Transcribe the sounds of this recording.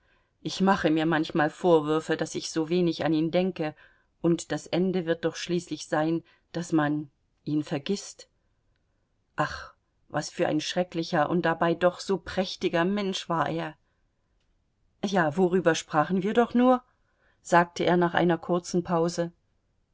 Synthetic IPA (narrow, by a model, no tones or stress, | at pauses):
ʔɪçmaχəmiːɐmançmaːlfoːɐvʏɐfədasɪçz̥oːveːnɪçaniːndɛŋkə | ʔʊntd̥asʔɛndəvɪɐt̚d̥ɔχʃliːslɪçz̥aɪn | d̥asman | ʔiːnfɛɐɡɪst | ʔaχ | vasfyːɐʔa̰ɪnʃʁ̥ɛklɪçɐʔʊ̰nt̚d̥abaɪdɔχz̥oːpʁ̥ɛçtɪɡɐmɛnʃv̥aːɐʔeːɐ | jaːvoʁyːbɐʃpʁ̥aːχn̩viːɐdɔχnuːɐ | z̥aːk̚təʔeːɐnaːχʔa̰ɪnɐkʰʊɐt͡sn̩pʰaʊzə